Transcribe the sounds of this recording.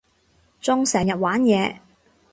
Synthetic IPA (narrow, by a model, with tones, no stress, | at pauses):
t͡sʊ˥ŋsɛː˨˩ŋjɐ˨t̚waː˨˥njɛː˨˧